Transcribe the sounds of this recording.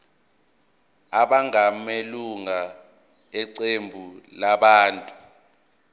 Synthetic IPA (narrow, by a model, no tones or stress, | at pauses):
aɓaŋameluŋa | ɛǀembʱulaɓaːntʼu̥